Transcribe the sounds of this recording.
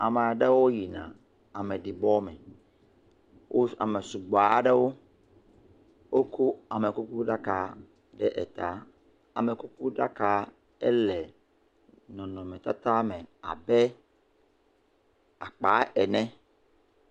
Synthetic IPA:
a˨me˨a˨ɖe˦wo˦ji˨nã̰˨ | a˨mɛ˨ɖi˨bɔ˦mɛ˨ | wʔo˦a̰˨me˨su˨ɡ͡ba˨˦ɖe˦wo˦ | wo˦kʰu˦a˨me˨ku˦ku˦ɖa˦ka˨ | ɖɛ˦ʔɛ̰˨t̪a˨˦ | a̰˨me˨ku˦ku˦ɖa˦ka˨ | ɛ˦lɛ˨ | nɔ̃˨nɔ̃˨mɛ̃˨t̪a˦t̪a˦mɛ˨a̰˨bɛ˦ | a˨k͡pa˨˦ɛ˨nɛ̃˦

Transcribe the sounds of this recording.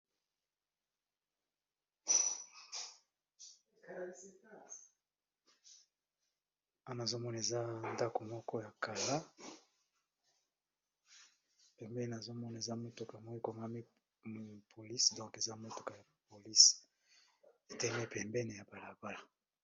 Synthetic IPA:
a˦n˨zo˦mɔ˦na˨e˨za˦nda˦ko˨mɔ˦kɔ˦ja˨ka˨la˦ | pɛ˨mbɛ˦n˨na˨zo˦mɔ˦na˨e˨za˦mo˦to˨ka˨mo˦i˦ko˨ŋa˦mi˦ | m˦pʰo˨li˦sdɔ̃˦ŋke˨za˦mo˦to̥˨ka˨ja˨po˨li˦s | e˨tɛ˦me˦pɛ˨mbɛ˦ne˨ja˨ba˨la˨ba˦la˨

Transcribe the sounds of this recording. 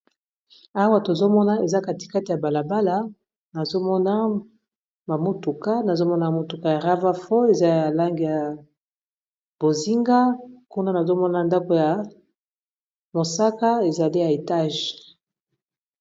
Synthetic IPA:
a˦wa˦to˨zo˦mɔ˦na˦e˨za˦ka˨ti̥˨ka˦ti˨ja˨ba˨la˨ba˦la˦ | na˨zo˦mɔ˦na˦ | ma˨mo˦tu˨ka˦na˨zo˦mɔ˦na˦m˨mo˨tu˨ka˦ja˨ʁa˦va˦fɔ˦e˨za˦ja˨la˦ŋɡi˨ja˨ | b̥o˨zi˦ŋɡa˦ku˦na˦na˨zo˦mɔ˦na˨nda˦ko˨ja˨ | mo˨sa˦ka˦e˨za˨li˦ja˨e˨ta˦˨ʒ

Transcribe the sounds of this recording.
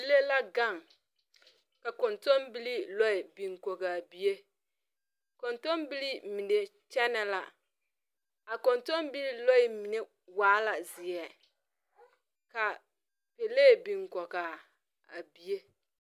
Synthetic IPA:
i˨le˦la˦ɡa˦˨ŋ | ka˨ko˨nto˦mbi˦li˦lo˦i˨bi˨ŋko˨ɡa˨bi˦e˦ | ko˨nto˦mbi˦li˦mi˨ne˨ | t͡ʃɛ˦nɛ˦la̰˨ | a˨ko˨nto˦mbi˦li˦lɔ˦ɪ˦˨mi˨ne˦ | waː˦la˨zɪ˨ɛ˨ | ka˨ | pe˨le˦˨bi˨ŋkɔ˨ɡa˨ | a˨bi˨je˦

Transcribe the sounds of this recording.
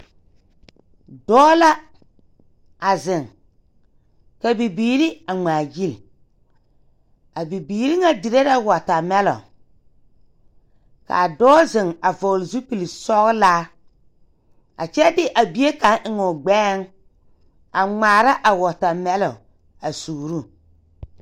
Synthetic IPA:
dɔː˦la˦ | a˨zɪ˨ŋ | ka˨bi˨biː˨ɾi˦a˨ŋ͡maː˨ji˦l | a˨bi˨biː˨ɾi˦ŋa˦di˨ɾe˦ɾa˦wɔ˨ta˨mɛ˦lɔ̰˨ | ka̰˨dɔː˦zɪ˨ŋa˨vɔ˨lzu˦pi˨li˨sɔ˦ɣlaː˦ | a̰˨t͡ʃɛ˦dɪ˦ʔa˨bi˨˦e˦ka˨˦ŋʔɪ˨ŋʊ˨ɡ͡bɛː˦ŋ | a˨ŋ͡maː˨ɾa˦ʔa˨wɔ˨ta˨mɛ˦lɔ˨ | a˨suː˨ɾu˦˨

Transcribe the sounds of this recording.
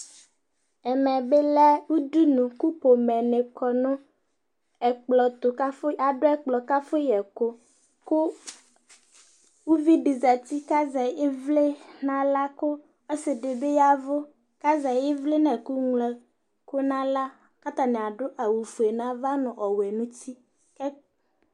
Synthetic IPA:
ɛ˨mɛ˨be˦lɛ˦wu˦du˦nʊ̃˨ku˦po˨mɛ˨nɪ˨kɔ˨nʊ̃˦ | ɛ˨k͡plɔ˨t̪ʊ˨ka˦fʊ˦a˨dʊ˦ɛ˦k͡plɔ˨ka˦fʊ˦jɛ˨kʊ˦ | kʊ˦ | wu˦vi˦ɖi˨za˨t̪i˦ka˦zɛ˨ɪ˦vle˦nã˦la˦kʊ˦ | ɔ˦sɪ˨dɪ˨be˦ja˦vʊ˦ | ka˦zɛ˨jɪ˦vlɪ˦nɛ˨ku˦ŋlɛ˨ | kʊ˦nã˦la˦ | ka˦t̪a˨nɪ˨a˨ɖʊ˦ʔa˨wu˨fu˨e˨nã˦va˦nʊ̃˨ʔɔ˨wɛ˨nʊ̃˦t̪i˦ | kɛ˦

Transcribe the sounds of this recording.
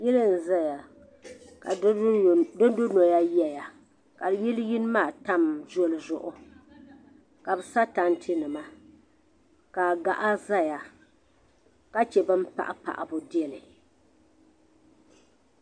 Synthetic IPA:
ji˦lɨ˦n̩˨za˦ja˨ | ka̰˨˦ | do˦n˦dʊ˦nɔ˨ja˦jɛ˨ja˨ | ka˨ji˦lji˦n˦maː˦˨ta˦mzo˦lɨ˨zʊ˨ʔʊ˦ | ka˨bɨ˨sa˦ta˦n˦tʰɪ˦nɨ˨ma˦ | ka˨ɡa˨ʔa˦za˦ja˨ | ka˦t͡ʃɛ˨bɨ˦m˦pa̰˦˨ʔa˦pa̰˨ʔa̰˨bʊ˦dɪ˦ɛ˦lɨ˨

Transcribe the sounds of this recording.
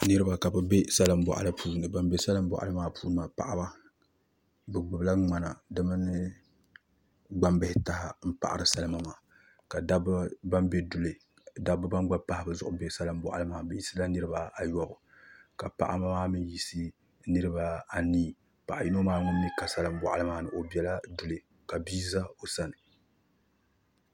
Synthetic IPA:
nɨ˦ɾɨ˦ba˨ka˨bɨ˨be˦sa˦lɨ˦m˦bɔ̰˨ʔa̰˨lɨ˦pʰuː˦nɨ˨ba˦mbe˦sa˦lɨ˦mbɔ̰˦˨ʔa̰˨lɨ˦maː˦pʰuː˦nɨ˦maː˨pa̰˨ʔa˦ba˦ | bɨ˨ɡ͡bɨ˨bla˦ŋ͡ma˨na˨dɨ˦ma˦nɨ˦ | ɡ͡ba˦mbɪ˦hɪ˦ta˨ha˨m̩˦pa̰˨ʔa̰˨ɾɨ˨sa˦lɨ˦ma˦maː˨ | ka˨da˦bba˦mbe˦dʊ˨lɨ˨ | da˦bɨ˦ba˦nɡ͡ba˦pa˦hɪ˨bɨ˨zʊ˨ʔʊ˦bɛ˨˦sa˦lɨ˦mbʷwa̰˨ʔa̰˨˦ɨ˦maː˨bɛ˦ji˦sɨ˦la˦nɨ˦ɾɨ˦ba˦a˨jɔ˦bʊ˨ | ka˨pa̰˨ʔa̰˦ma˦maː˦mɨ˦n˦ji˦sɨ˦ | nɨ˦ɾɨ˦ba˨a˨niː˦ | pa˨ʔa˨ji˦no˦maː˦ŋʊ˦nː˦i˦ka˨sa˦lɨ˦mbʷwa˨ʔa˨lɨ˦maː˦nɨ˨ʔo˨bi˦ɛ˦la˦du˦lɨ˨ | ka˨biː˦za˦o˨sa˦nɨ˨

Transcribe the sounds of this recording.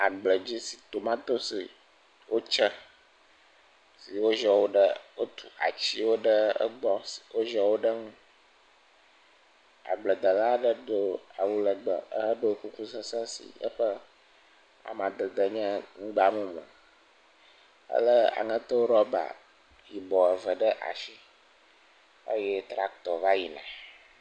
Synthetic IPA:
a˨ɡ͡blə˨d͡ʑi˦si̥˨t̪o˨mã˦t̪o˦si˨ | wo˦t͡ʃə˦ | si˨wo˦ʒɔ˨wo˦ɖə˦wo˦t̪ʰu̥˨a̰˨t͡ɕi˦wo˦ɖə˦ə̰˦ɡ͡bɔ˦si̥˨wʔo˦ʒɔ˨wo˦ɖə˦ŋũ˦ | a̰˨ɡ͡blə˨d̪ə˨la˦ɖə˦ɖo˦a˨wu˦lə˨ɡ͡bə˨ə˦ɦə˦ɖo˦ku˦ku˦sə˦sə̃˦sḭ˨jə̰˦ɸə˦ | a̰˨mã˨d̪ə˨d̪ə˨ɲɛ̃˦ŋũ˦ɡ͡ba˨mũ˦mə̰̃˨ | ə̰˦lə˦a̰˨ŋə̃˦t̪ɔ˦wo˦ɾɔ˦ba̰˨ | ji˨bɔ˨ə˨və˨ɖə˦ʔa̰˨ʃi˦ | ə̰˦jɛ˦t̪ɾa˦kt̪ɔ˨va˦ji˨nã̰˨

